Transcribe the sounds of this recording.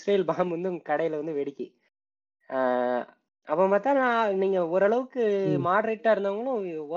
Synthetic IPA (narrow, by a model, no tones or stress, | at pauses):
sɾeːjɪlbaːmʋɐnd̪ɯʊŋɡɐkɐɽɐjɪlʋɐnd̪ɯʋɛɽɪkʲːɯ | ɐpːɐ̃paːɾt̪ãːnãːniːŋɡɐɔɾɐɭɐʋɯkːɯmaːɽɐɾeːʈːaːɪɾɯnd̪aːʋɐŋɡɐɭʊ̃ɔ